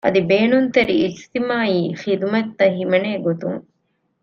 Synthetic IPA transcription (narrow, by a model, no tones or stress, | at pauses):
ʔɐd̪ibeːnunt̪eɾiːd͡ʒt̪imaːiːxid̪umɐt̪ːɐɦimɐneːɡot̪uŋ